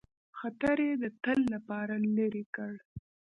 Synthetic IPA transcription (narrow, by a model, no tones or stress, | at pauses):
xat̪aɾjed̪ət̪əlːapɑɾalaɾikəɽ